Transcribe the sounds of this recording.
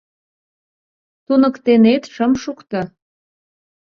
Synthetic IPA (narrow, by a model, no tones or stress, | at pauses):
t̪unə̆kt̪enet̪ʃəmʃukt̪ɤ